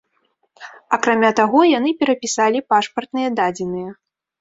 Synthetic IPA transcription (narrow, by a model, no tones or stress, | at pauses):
ɐkɾamʲat̪aɣɔjan̪ɨpʲɛɾɐpʲisalʲipaʂpɐrt̪nɨjɛd̪ad͡zʲɛnɨjɐ